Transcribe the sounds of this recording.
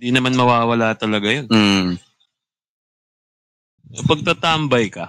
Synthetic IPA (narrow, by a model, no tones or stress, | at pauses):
d̪iːnɐmanmɐwaːwɐlaːt̪ɐlɐɡajon | opɐɡ̚t̪ɐt̪ambɐjkɐ